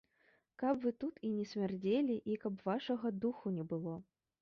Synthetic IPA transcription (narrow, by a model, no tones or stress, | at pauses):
kɐpvɨt̪ut̪ʰinʲɛsʲmʲard͡zʲelʲiʔikɐpvaʂɐɣɐd̪uxunʲɛbɨlˠɔ